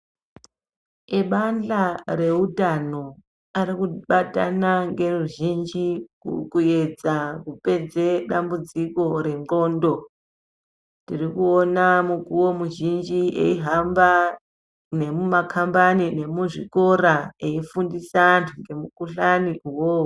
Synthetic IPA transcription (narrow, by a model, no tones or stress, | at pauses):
eɓand͡ɮare̞utano̞ | aɾikuɓata̰naŋɡe̞ruʒind͡ʒikṵkue̞d͡zakupe̞d͡zeɗambud͡ziko̞ɾe̞ŋŋ͡ǃo̞ːndo̞ | tirikuonamukuwo̞muʒind͡ʒiḛiɦamba | ne̞mumakʰambanine̞muʐiko̞ɾaeifundisanŋɡe̞mukuɬaniuwo